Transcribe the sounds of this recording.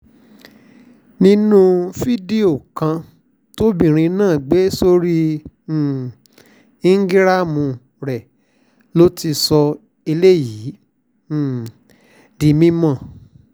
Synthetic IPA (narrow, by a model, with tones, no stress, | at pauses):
nĩ˦nũ˦fi˦de˦o˦˨kã˧ | to˦bĩ˨ɾ̃ĩ˧nãː˦˨ɡ͡be˨˦so˧ɾĩ˦˨ | i˦ŋ̩˦ɡi˦ɾa˦mũ˧ | ɾɛ˨ | lo˦ti˧sɔ˧ | e˧le˦jĩ˨˦˨ | di˨mĩ˦mã˦˨